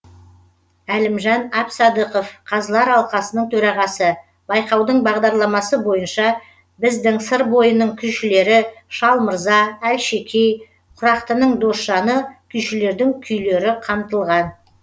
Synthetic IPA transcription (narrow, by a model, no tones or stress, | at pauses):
ælɪmʒɑnɑpsɑd̪əqo̞fqʰɑzəlˠɑɾɑlˠqɑsənəɴt̪ʰɵɾɑʁɑsə | bɑjqɑwd̪əɴbɑʁd̪ɑɾlˠɑmɑsəbo̞jənʃɑ | bɪzd̪ɪŋsəɾbo̞jənəɴkʲʰʏjʃɪle̞ɾɪʃɑlˠməɾzɑælʃe̞kʲʰej | qʰʊɾɑqt̪ənəɴd̪o̞sʃɑnəkʲʰʏjʃɪle̞ɾd̪ɪŋkʲʰʏjle̞ɾɪqʰɑmt̪əlˠʁɑn